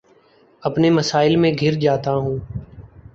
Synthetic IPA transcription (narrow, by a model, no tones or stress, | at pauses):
əpneːməsaːɪlmẽːɡʱɪɾd͡ʒaːt̪aɦũː